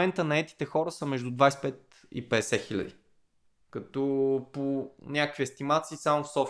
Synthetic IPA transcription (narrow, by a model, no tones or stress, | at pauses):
ɛnt̪ənɐɛt̪i̥t̪ɛxɔɾəsəmɛʒd̪ud̪vajspɛt̪̚ | ḭpɛd̪ɛsɛxilʲə̰d̪ḭ | kɐt̪ɔponʲakəkvʲiɛst̪imat̪siːsamofsɔf